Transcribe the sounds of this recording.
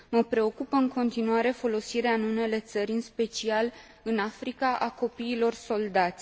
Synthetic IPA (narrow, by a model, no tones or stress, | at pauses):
məpɾe̞o̞kupəɨŋko̞nt̪inuaɾe̞fo̞lo̞siɾeaɨnune̞le̞t̪səɾʲɨnspe̞t͡ʃial | ɨnafɾikaʔako̞piːlo̞rso̞ld̪at̪sʲ